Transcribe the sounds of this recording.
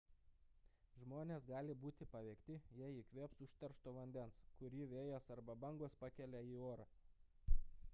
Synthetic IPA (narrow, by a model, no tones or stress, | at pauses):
ʒmoːnʲesɡɑːlʲɪbuːt̪ʲɪpɐʋʲɛːkt̪ʲɪjɛiːkʋʲeːpsʊʃt̪ɐɾʃt̪oːʋɐnʲd̪ʲɛnskʊɾʲiːʋʲeːjɛsɐɾbɐbɐŋɡospɑkʲɛlʲɛiːoːɾɑː